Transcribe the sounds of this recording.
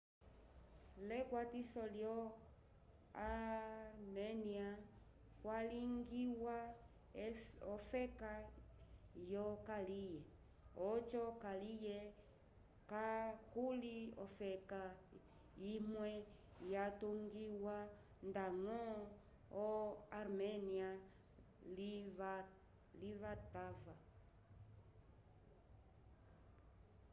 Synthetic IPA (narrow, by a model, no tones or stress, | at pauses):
lɛkwatisɔljɔ | a | nɛnĩa | kwaliŋɡiwa | ɔfɛka | jɔkalijɛ | ɔt͡ʃɔkalijɛ | kakuliɔfɛka | imwɛjatoŋɡiwa | ndaŋɔ | ɔaɾmɛnia | l | livatava